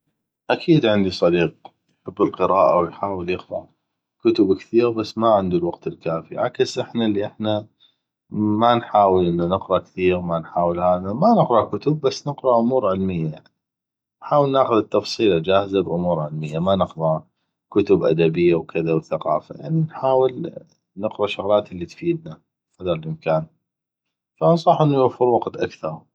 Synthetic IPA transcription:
ʔakʰiːd̪ʕɪnd̪isˤɑd̪iːq̚ | jħɪbːɪlqɨɾaːʔawjħaːwəljɪxɾaʕ | kʊt̪ʊbkθiːɣbasːmaʕɪnd̪ulwaqt̪ɪlkaːfiʕa̰ksʔɪħnalːiʔɪħna | manħaːwəlʔɪnːanɪqɾˤɑʔkθiːɣmanħaːwəlhaːðamanɪqɾˤɑkʊt̪ʊb̚ːasːnɪqɾˤɑʔʊmuːɾʕɪlmɪjːajaʕni | nħaːwəlnaːxʊðt̪ːɑfsˤiːlad͡ʒaːhzabʔʊmuːɾʕɪlmɪjːamanɪqɾˤɑ | kʊt̪ʊbʔa̰d̪abɪjːawkɪðawθaqɑ̰ːfa̰ja̰ʕninħaːwɪl | nɪqɾˤɑʃʊɣlaːt̪ɪlːit̪fiːd̪̚na | fɑd̪ɑɾlʔɪmkaːn | fansˤɑħʔɪnːujʊfʊɾwɑqt̪ʔakθɑɾˤ

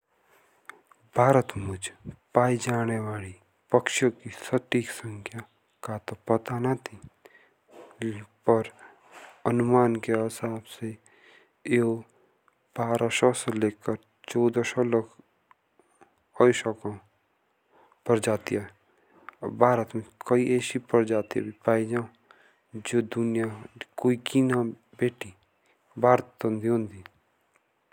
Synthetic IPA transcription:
bʱaːɾət̪mʊd͡ʒʱpaːid͡ʒaːneʋaːli | pəkʃjõkisəʈiksə̃ŋkʰja | kaːt̪opɐt̪anat̪ʰi | pəɾ | ənʊmaːnkeɦɪsaːbse | eo | bʱaːɾaʃɔseleːkəɾ | t͡ʃɔːd̪ɔʃɔlək | ɔʃɔkõ | pəɾd͡ʒaːt̪iɦɛ | bʱaːɾət̪mẽkəiʔeːsipəɾd͡ʒaːt̪iḛbʱipaːid͡ʒaːõ | d͡ʒoːd̪ʊnijakoːikiːna | beːʈi | bʱaːɾət̪õːnd̪iɦõːnd̪i

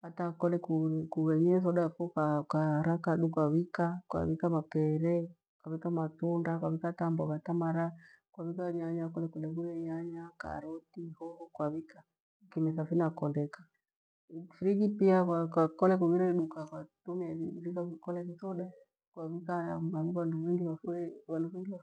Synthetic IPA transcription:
hatakɔlɛkukuβɛɲɛs̬ɔɗafɔkakaɾakaɗukwaβikakwa̰βikamapɛɾɛ | kwaβikamatundakwaβikatambɔβatamaɾa | kwaβikaɲaɲakɔlɛkulɛɡuɾɛɲaɲaka̰ɾɔtihɔhɔkwaβika | kimɛsafinakɔndɛkḁ | fiɾiɡipiakwakwakɔlɛkuβiɾɛiɗukakwatumiɛiβikakukɔlɛkiθɔɗa | kwaβikaaβiβanduwɛŋɡiβafuɾɛwanduβɛŋɡilɔ

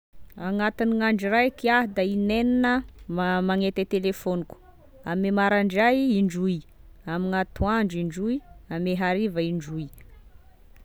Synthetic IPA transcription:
aŋat̪iniŋaɳɖ͡ʐirajkiaɦd̪aineninəmamaŋet̪et̪elefoniku̥ | amemaɾaɳɖ͡ʐajiɳɖ͡ʐuiamiŋat̪uaɳɖ͡ʐiɳɖ͡ʐujameɦaɾivəiɳɖ͡ʐuj

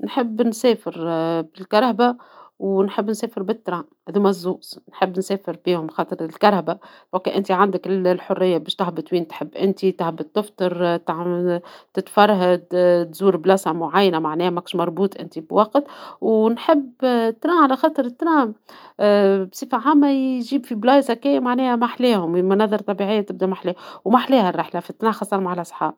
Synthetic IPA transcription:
nħɪbːnsɛːfɪɾbɪlkɑɾˤhabawnħɪbːnsɛːfɪɾbɪt̪ːɾˤɑːhd̪uːmæzːuːʔsnħɪbːnseːfɪɾbiːhʊmxɑːt̪ˤəɾɪlkɑɾˤhabafɑkːeʔɪnt̪iʕand̪ɪklħʊrːɪjːabɛːʃt̪ahbɪt̪wiːnt̪ħɪbːʔɪnt̪it̪ahbɪt̪ːʊft̪ɑɾˤt̪ʕt̪ɪt̪fɑɾˤɦad̪t̪zuːɾblɑshamʊʕajːnamaʕnɛːhmækʃmɑɾˤbuːt̪ˤʔɪ̰nt̪ibwɑqt̪wnħɪbːt̪ːɾaːʕalaxɑːt̪ˤɨɾɪt̪ːɾaːm | bsˤifaʕaːmːajʒiːbfiblɑːjzakeːmaʕnɛːhæmaħleːhʊmmanɑðˤɑɾˤt̪ˤɑbiʕɪjːat̪ɪb̚d̪amaħleːwmaħleːharˤːɪħlafit̪ːnæːxɑsˤːɑɾmaʕalʔsˤħɑ̰ːb

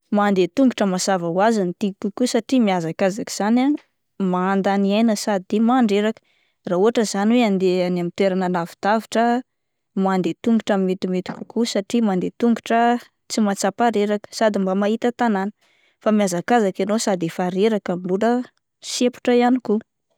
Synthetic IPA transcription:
mand̪et̪uŋɡuʈ͡ʂəmasavəuazanit̪ikukusaʈ͡ʂimiazakazaki̥z̥ana | maand̪aniajnəsad̪id̪emaːɳɖ͡ʐeɾakə̥ | rauɦaʈ͡ʂəzaniweand̪eanamit̪weɾananavid̪̥aviʈ͡ʂə | mand̪et̪uŋɡuʈ͡ʂamimet̪umet̪i̥kʲu̥kusaʈ͡ʂimand̪et̪uŋɡuʈ͡ʂə | t͡simat͡sapaɾeɾakə̥sad̪imbamaɦit̪ət̪ananə̥ | famiazakazakanosad̪efaɾeɾakamibulə | sepu̥ʈ͡ʂəianiku

